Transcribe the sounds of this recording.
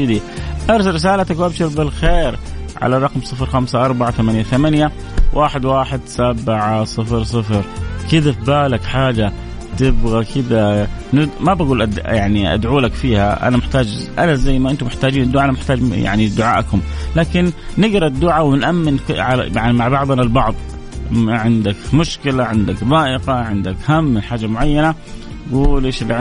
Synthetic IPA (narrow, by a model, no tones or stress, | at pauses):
d̪iʔɑɾˤs̬aɾɾɪs̬aːlat̪akwʔabʃɪɾbɪlxeːɾʕa̰laɾˤɑqmsˤɨfɾxamsaʔɑɾˤbaʕat̪θamanjaθamanja | wʔaːħɪd̪waːħɪd̪sabɪʕasˤɨfɾs̬ˤɨfɾkɪd̪afbaːlakħaːd͡ʒa | t̪ɪbɣakɪd̪a | nɪmabaɡuːlʔajaʕniʔa̰d̪ʕuːlakfiːha̰ʔa̰namɪħt̪aːd͡ʒ | ʔanazajːmaʔɪnt̪ʊmɪħt̪aːd͡ʒiːnd̪ːʊʕaanamɪħt̪aːd͡ʒja̰ʕnid̪ʊʕaːʔkʊmlaːkɪnːɪɡɾˤɑd̪ːʊʕawɪnʔamːɪnkʕal̰aʕnimaʕbɑʕðˤʔanalbɑʕðˤ | ʕɪnd̪akmʊʃkɪlaʕɪnd̪akðˤɑːʔɪqaʕɪnd̪akhamːɪnħaːd͡ʒamʊʕajːana | ɡuːlʔeːʃlʕ